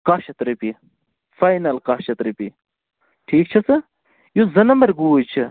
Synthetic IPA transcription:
qaːʃɐt̪ɾipi | fajnɐlqaːʃɐt̪ɾipi | ʈʰiːk̚t͡ʃʰɐsɨ | juzɐnɐmɐɾɡuːjt͡ʃʰɐ

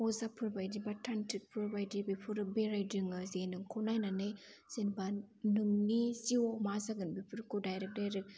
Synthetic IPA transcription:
ɔzapʰɯɾbajdibatʰantʰik̚pʰɯɾbajdibipʰɯɾɯbeɾajdɯŋɯzenɯŋkʰonajnanɯjsenbanumnisiomazaɡɯnbipʰɯɾkodajɾek̚dajɾɯk̚

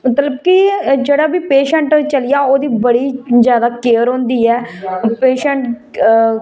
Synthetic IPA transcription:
mət̪ləbkɪd͡ʒeːɽaːbiːpeːʃəɳʈt͡ʃəlɪjaːoːd̪iːbəɽiːzjaːd̪aːkeːəɾɦõːnd̪iːɛːpeːʃəɳʈ

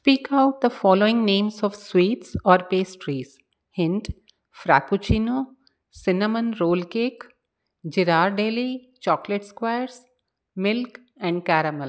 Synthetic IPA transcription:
spiːkaʊʈ̚d̪əfɔːloːɪ̃ŋnẽːmzɔːʋswiːʈsɔːɾpeːsʈɾiːz̥ | hɪ̃ɳʈ | fɾa̰ːkut͡ʃiːnoː | sɪnəmə̃nɾoːlkeːk | d͡ʒɪɾaːɾɖeːli | t͡ʃɔːkleʈskwaɪəɾs | mɪlk | ɛ̃ɳɖ̚kæːɾəməl

